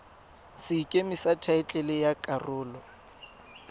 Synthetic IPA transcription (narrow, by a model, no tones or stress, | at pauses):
sɪkʼemɪsatʰaɪt͡ɬʼɛlɪjakʼarʊːlɔ